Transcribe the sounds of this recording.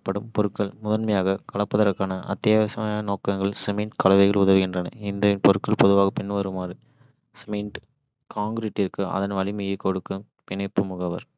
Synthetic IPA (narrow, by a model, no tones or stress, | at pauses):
pːɐɽɯmpɔɾɯkːɐɭmʊðɐɾmɐjaːɣɐkɐɭɐpːɐðɐɾɐkːaːnɐʔɐ̰t̪ːɐjaʋɐsɐmaːjnoːkɐŋɡɐɭsɛmɛɳʈkɐlɐʋɐɪɣɐɭʊðɐʋɯɣɪndrɐnɐ̰ɪnd̪ɐpɔɾɯkːɐɭpɔðɯʋaːɣɐpɪɳːʋɐɾɯmaːɾɯ | sɛmɛɳʈ | kaːŋɡɾiːʈːɪɾkɯʔɐ̰ðɐnʋɐɭɪmɯjɐkːɔɽɯkːɯ | pɪnɐɪpːɯmʊɣɐʋɐɾ